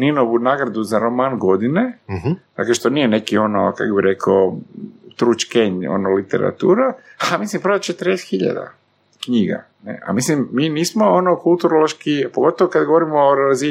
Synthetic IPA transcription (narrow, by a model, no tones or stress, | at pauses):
ninoʋunaɡɾad̪uzaɾo̞manɡo̞d̪ined̪a̰kleʃt̪o̞nije̞ne̞kio̞no̰ka̰kobiɾe̞kʰot̪ɾut͡ʃkeɲo̞̰nolit̪e̞̰ɾa̰t̪uːɾa | amislimpɾʋat͡ʃet̪ɾesxiʎa̰d̪a̰ | kɲiɡa̰ | nḛʔa̰mislimːiniːsmoonokulˠt̪uɾoloʃkipoɡo̞t̪oʋokad̪ɡo̞ʋo̞ɾimoːɾazi